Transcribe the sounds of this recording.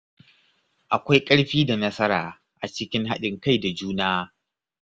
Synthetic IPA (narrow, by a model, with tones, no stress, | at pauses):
ʔa˨kʷa˦jkʼɐ˦ɽɸiː˦da˨nɐ˦sɐ˦ɾaː˨ | ʔa˨t͡ʃɪ˦kʲɪ˦ŋɦa˦ɗɪ˨ŋka˦˨jda˨d͡ʒuː˦naː˦